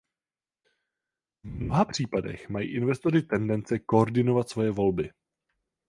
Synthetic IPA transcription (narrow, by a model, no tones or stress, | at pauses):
vmno̞ɦapr̝̥iːpadɛ̰xmajḭːʔɪnvɛst̪o̞rɪt̪ɛndɛnt͡sɛko̞oɾdɪno̞vat̪svo̞jɛvo̞lbɪ